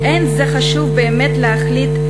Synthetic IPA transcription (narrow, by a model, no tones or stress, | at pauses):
ʔenzeχaʃuvbeːmet̪lehaχlit